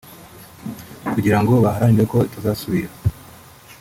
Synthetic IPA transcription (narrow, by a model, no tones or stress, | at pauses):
kuɟiɾaŋɡo̞βaɦaɾaɲiɾeko̞tuzaːsuβiɾa